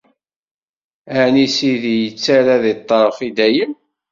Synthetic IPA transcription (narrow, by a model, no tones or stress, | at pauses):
ænisiðijət͡sːaɾaðit̪ˤːəɾˤfid̪æjəm